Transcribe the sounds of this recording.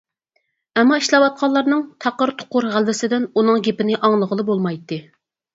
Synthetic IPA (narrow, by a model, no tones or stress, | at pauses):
ɛmːɑiʃlˠɑwɑt̪̚qʰɑlˠɑɾnɨŋt̪ʰɑqəɾt̪ʰo̥qʊɾʁælvɪsɪd̪ɪnunɨŋɡʲepɪnɪʔɑŋlˠəʁəlˠɨbolˠmɑjt̪ːɨ